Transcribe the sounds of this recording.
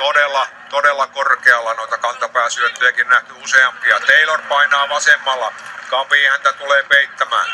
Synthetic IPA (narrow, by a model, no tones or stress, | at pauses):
t̪odelːˑɑt̪odelːˑɑkorkeɑlːɑnoit̪ɑkɑnt̪ɑpæːsyøt̪ːyjækinnæht̪yuseɑmpiɑt̪eilorpɑinɑːʋɑsemːɑlːɑkɑpiːhænt̪æt̪uleːpeit̪ːæmæ̰ːn